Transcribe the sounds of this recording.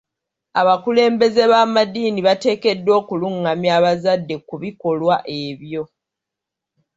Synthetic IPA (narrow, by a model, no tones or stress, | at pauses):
aβakule̞ːmbe̞ze̞βamadiːniβate̞ːke̞dːo̞ːkuluŋːamjaːβazadːe̞kuβiko̞lwaʔe̞βjo̞